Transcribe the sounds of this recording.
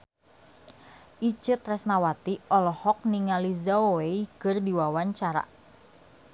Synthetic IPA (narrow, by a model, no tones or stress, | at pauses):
ʔit͡ʃɨt̪rɛsnawat̪iɔlɔhɔk̚niŋalizaoeikɨrdiwawaɲt͡ʃaɾa̰